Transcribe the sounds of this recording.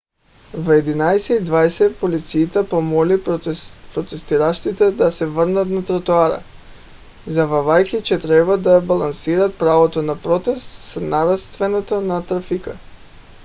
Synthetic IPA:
vɛd̪inajsɛid̪vajsɛpolit̪siːt̪ɛpɔmɔli | pɾot̪ɛst̪iɾaʃt̪it̪ɛd̪asɛvərnat̪nat̪ɾat̪uaɾa̰ | zavavajkit͡ʃɛt̪ɾɛbad̪abalˠansiɾat̪̚pɾavot̪onapɾɔt̪ɛst̪snaɾast̪vɛnɔt̪onat̪ɾafika

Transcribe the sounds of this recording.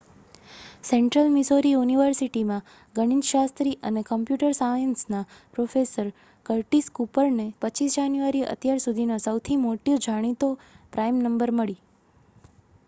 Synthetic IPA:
seɳʈɾəlmisoɾijuniʋəɾsiʈimã | ɡəɽ̃id͡ʒʃast̪ɾiʔənekəmpjuʈəɾsajənsnapɾofesəɾ | kəɾʈiskupəɾnepət͡ʃisd͡ʒanjuaɾiʔə̰t̪jaɾsud̪ʱinosəwt̪ʰimoʈjod͡ʒʱaɽ̃it̪opɾajmnəmbəɾməɭi

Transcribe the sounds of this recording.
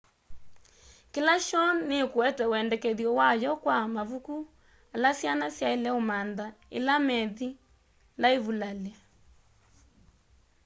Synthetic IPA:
kilaʃɔnnekuɛtɛwɛndɛkɛðjɔwajɔkwamaβuku | alasjanasjaelɛomandaḛlamɛði | laeβulalɛ

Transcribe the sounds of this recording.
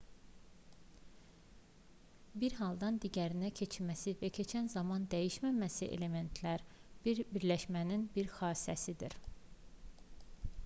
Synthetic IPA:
biɾɦɑlˠd̪ɑnd̪iɟæɾinæcʰe̞t͡ʃʰimæsivæcʰe̞t͡ʃʰænzɑmɑnd̪æjiʃmæmæsiʔḛle̞me̞nt̪ʰlæɾbiɾbiɾlæʃmæninbiɾxɑːsæsid̪ḭɾ

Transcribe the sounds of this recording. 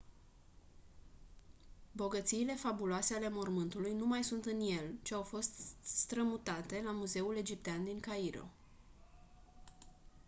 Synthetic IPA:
bo̞ɡət̪siːle̞fabuloase̞ale̞mo̞rmɨnt̪ulujnumajsunt̪ɨnje̞lt͡ʃeawfo̞st̪st̪ɾəmut̪at̪e̞lamuze̞ule̞d͡ʒip̚t̪eand̪iŋkaiɾo̞̰

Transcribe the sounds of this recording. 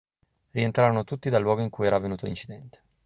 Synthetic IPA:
rient̪ɾaɾonot̪ut̪ːid̪alːwɔːɡoiŋkuːjɛːɾavenuːt̪olint͡ʃid̪ɛnt̪e̥

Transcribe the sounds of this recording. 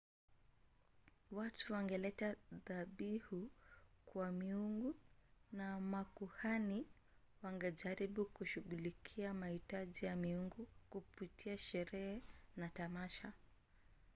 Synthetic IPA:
watuwaŋɡɛlɛtaðaɓihukwamiuŋɡunamakuhani | waŋɡɛʄaɾiɓukuʃuɠulikʰiamahitaʄijamiuŋɡukupitiaʃɛɾɛhɛnatamaʃa

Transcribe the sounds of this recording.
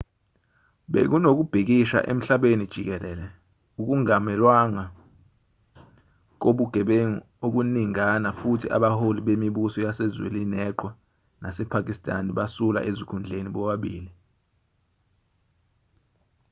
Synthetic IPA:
ɓḛk̬unok̬ub̥ʱik̬iʃa̰ʔḛm̩ɬaɓenid̥ʒ̥ʱik̬ɛlɛːlɛ | uk̬uŋamɛlwaŋa | k̬oɓuɡ̥ʱɛɓeŋ | ok̬uniŋanafutʰiʔa̰ɓaholiɓemiɓusɔjasɛzwḛlinɛǃwa | nasɛpʰak̬ʼistʼa̰niɓasula̰ʔezikʰund͡ɮʱeniɓɔɓaɓiːli

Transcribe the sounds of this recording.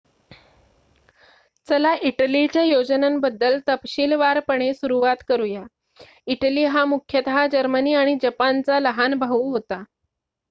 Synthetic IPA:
t͡səlaʔiʈəlit͡ɕjajod͡ʑənambəd̪ːəlt̪əpɕiːlʋaɾpəɳ̃esuɾuʋat̪kəɾuja | iʈəliːɦamukʰjət̪əɦad͡ʑəɾməniːaɽ̃id͡ʑəpant͡saləɦanbʱaɦuɦot̪a

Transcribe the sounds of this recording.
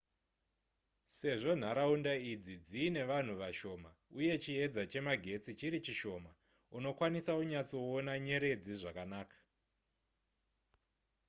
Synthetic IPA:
se̞ʐo̞n̤aɾaundaid͡zid͡ziːne̞ʋan̤uʋaʃo̞mauje̞t͡ʃie̞d͡zat͡ʃe̞maɡʱe̞t͡sit͡ʃiɾit͡ʃiʃo̞ma | uno̞kwanisauɲat͡so̞ːnaɲe̞ɾe̞d͡ziʐakanaːkḁ

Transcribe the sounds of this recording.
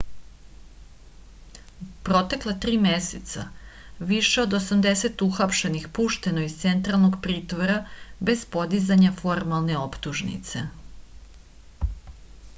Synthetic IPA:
pɾo̞t̪e̞klˠat̪ɾiːme̞set̪sa̰ | ʋiʃeo̞d̪osamd̪e̞se̞t̪uxapʃe̞nixpuːʃt̪e̞noizt̪se̞nt̪ɾalˠno̞ɡpɾiːt̪ʋoɾabe̞z̥po̞d̪izaɲafo̞ɾmalˠne̞o̞pt̪uʒnḭt̪se̞̰

